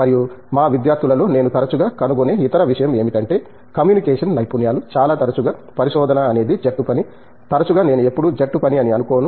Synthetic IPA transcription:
mɐɾijumaːʋid̪jaːɾt̪ʰulɐlo̞ːne̞ːnut̪ɐɾɐt͡ʃuɡaːkɐnuɡone̞ːit̪ɐɾɐʋiʂɐjɐme̞ːmiʈɐɳʈe̞ː | kɐmjuːnikeːʂɐnːɐjpunjaːlut͡ʃaːlaːt̪ɐɾɐt͡ʃuɡaːpɐɾiʃɔːd̪ɐnɐːne̞ːd̪id͡ʒeʈːupɐni | t̪ɐɾɐt͡ʃuɡaːne̞ːnue̞pːuɽud͡ʒeʈːupɐniɐniɐnukoːnu

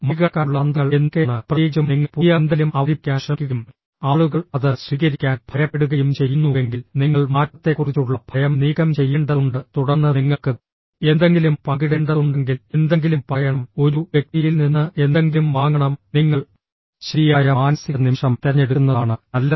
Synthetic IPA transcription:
muɣɐkːaːɭːɐnd̪ɐɐɭenkeɳɨprɐiːd͡ʑɐmniŋːɐpuːjɐand̪elumɐʋɾikʲːaːnɕɐkʲːuɣum | aːɭuɣɐɭɐðɨsʋiːkɐɾikʲːaːnb̥ʱɐɾɐpːeɽuɣɐjumt͡ɕe̞jːunːueŋɡilniŋːɐɭmaːtːɐt̪ːe̞kːurit͡ɕːuɭːɐb̥ʱɐjɐmniːɣɐmt͡ɕe̞jːeɳɖɐðuɳɖɨt̪uɽɐnːɨniŋːɐɭkɨ | e̞nd̪e̞ŋɡilumpɐɡiɽeɳɖɐðuɳɖeŋɡilend̪eŋɡilumpɐjɐɳɐmo̞ɾuʋjek̚t̪ijilninːɨʔend̪e̞ŋɡilumʋaːŋɡɐɳɐmniŋːɐɭ | ɕɾijaːjɐmaːnɐsiɐnimʂɐmt̪ɐɐnːe̞ɽukːnːɐðaːɳɨnɐlːɐ

